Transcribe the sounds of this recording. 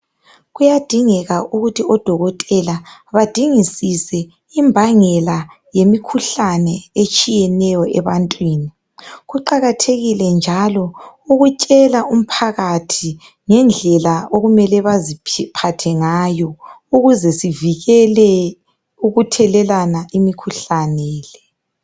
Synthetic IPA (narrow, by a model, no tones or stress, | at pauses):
ɣujad̥ʱiŋɛɣaʔuɣutʰiɔd̥ʱɔɣɔtʼɛlaβad̥ʱiŋisisɛ | imbʱaŋɛla | jemikʰuɬanɛet͡ʃʼijɛnɛjɔɛβantʼwiːni | ɣuǃaɣatʰeɣilɛnd͡ʒʱalɔuɣut͡ʃʼɛlaum̩pʰaɣatʰi | ŋɛnd͡ɮʱɛlaoɣumɛlɛβazipʰatʰɛŋajɔ | uɣuzɛsiviɣɛlɛ | uɣutʰɛlɛlanaʔimikʰuɬanɛːlɛ